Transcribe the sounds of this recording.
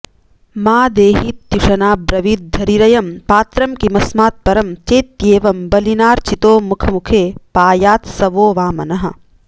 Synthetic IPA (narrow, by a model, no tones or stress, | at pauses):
maːd̪eːɦiːt̪ːuʂɐnaːbɾɐʋiːt̪̚d̪ʱɐɾiɾɐjɐmpaːt̪ɾɐmkimɐsmaːt̪̚pɐɾɐmt͡ʃeːt̪jeːʋɐmbɐlinaːɾt͡ʃit̪oːmukʰɐmukʰeːpaːjaːt̪sɐʋoːʋaːmɐnɐɦɐ̰̆